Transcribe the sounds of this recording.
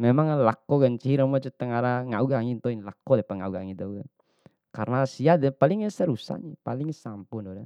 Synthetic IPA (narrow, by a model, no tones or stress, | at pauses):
mɛmaŋlakɔɡant͡ʃiiɾamɔt͡ʃɛt̪əŋaɾaŋauɡaŋint̪ɔinlakɔdɛpaŋa̰uɡa̰ŋid̪ɔɡan | karnasiadɛpaliŋasɛɾusa̰ɲɛpaliŋsampundɔdɛ